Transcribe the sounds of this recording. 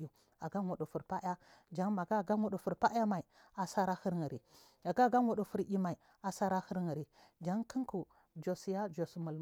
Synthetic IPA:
u˨ | a˨ɡa˦ŋʷo˨ɗu˨fu˨ɾpa˦ʔa˦d͡ʒa˦ŋma˨ɡa˦˨ɡa˦ŋʷo˨ɗu˨fu˨ɾpa˦a˦ma˨i˨ | a˨sa˦ɾa˦hə˦ɾŋə˨ɾi˨ | ja˨ɡa˦˨ɡa˦ŋʷo˨ɗu˨fu˨ɾʔi˦ma˨i˨ | a˨sa˦ɾa˦hə˦ɾŋə˨ɾi˨ | d͡ʒa˦ŋkə˦ŋku˨ | d͡ʒo˨si˨ja˦d͡ʒo˨smu˨l

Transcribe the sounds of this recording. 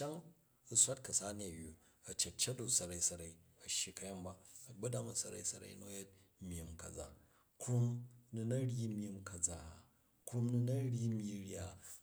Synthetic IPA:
t͡ʃa˦ŋ | u˦sʷa˦t̚kɐ˨sa˦ni˦ɐ˨ju˨ | ɐ˨t͡ʃe˨t̚t͡ʃe˦t̚do˨sɐ˨ɾa˨i˦sɐ˨ɾa˨i˦ɐ˨ʃi˨kɐ˦ja˦mba˨ɐ˨bɐ˦da˦mɐ˨sɐ˨ɾa̰˨i˦sɐ˨ɾa̰˨i˦no˦je˦t̚ | mʲ˦˨i˨mkɐ˨d͡za̰˦ | kɾu˦mnu˨nɐ˦ɽʲi˦mʲ˦i˦mkɐ˨d͡za˨ | ku˦mnu˦nɐ˦ɾʲji˦mʲi˦ɾʲja˦˨

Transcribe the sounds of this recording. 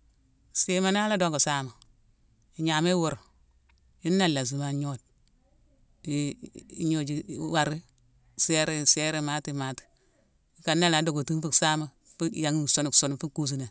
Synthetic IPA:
si˦ma˨˦na˦la˦do˦ŋɡo˨sa˦ma˨ | i˨ɲa˨me˦wo˨ɾ | ji˦nːa˦lːa˨s̬i˨ma˨ɲo˦d̚ | ḭ˨˦ɲo˦d͡ʒi˨wa˨ɾi˦ | se˦ɾe˦se˦ɾe˦ma˦ti˨ma˨˦ti̥˨ | ka˨nːa˦la˨do˨ɡo˨ti˦mfi˦ksa˦ma˨ | fi˦ja˨ŋi˦so˦nu˨kso˨n˨fi˦ku˦s̬i˨ne˨

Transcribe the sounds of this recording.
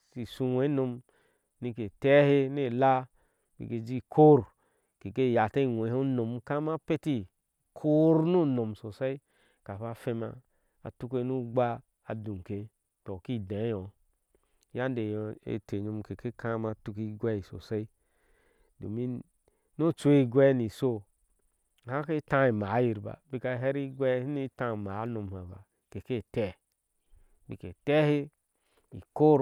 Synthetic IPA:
si˨su˧we˨˦no˧m | ni˧ke˨tɛ˦he˦ne˦˨la˦ | bḭ˨ɡe˧d͡ʒi˦kʰo˦ɾ | ke˨ke˦˨ja˨te˦˨we˨˦ho˦no˨mka˦ma˦pe˦ti˦ | kʰo˦ɾno˦no˨m˨so˨sa˦i˦ | ka˨fa˧fe˧ma̰˧ | a̰˨tu˦ke˧˦nu˦ɡ͡ba˦ | a˨du˨ke˧ | tɔ˨ki˦˨da˨˦jɔ˨˦ | ja˦nde˨jḛ˨te˨ɲo˨m˨ke˨ke˦kã˦ma˨tu˦ki˦ɡʷɛ˦i˨so̰˨se˦i˦ | do̰˨mi˦ | no˦t͡ʃo˦i˦ɡwɛ˦ni˨so˦˨ | hã˦ke˦tã˦i˨ma˨˦ji˨ɾba̰˨bi˦ka˧˨ɦe˦ɾi˦ɡʷɛ˦i˦ni˦tã˦˨ma˨˦no˨m˨ha˨ba̰˨ | ke˨ke˦˨tɛ˦ | bi˨ke˨tɛ˦he˦ | i˨ko˦ɾ

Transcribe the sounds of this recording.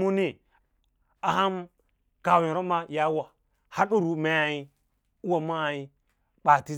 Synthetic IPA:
mu˦ni˦ | a˨ha˦m | ka˨wĩ˨ɾo˦ma˦ja˦wa˨ | ha˦ɗu˦ɾu˨ma˦a˨i˦ | u˦wa˨ma˦˨i˦ | ɓa˨ti˦

